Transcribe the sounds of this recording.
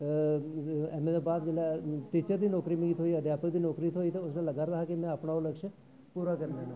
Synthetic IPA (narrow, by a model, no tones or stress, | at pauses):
ɛːmẽd̪ebaːt̪̚d͡ʒeːlaʈit͡ʃəɾd̪iːnɔːkɾimẽɡiːt̪ʰɦoːiəd̪ʱjaːpək̚d̪iːnɔːkɾiiːt̪ɦoːit̪eʊsnẽləɡaːɾd̪aɦakimɛ̃aːpɳaʊləkʃə | puːɾakəɾnenõ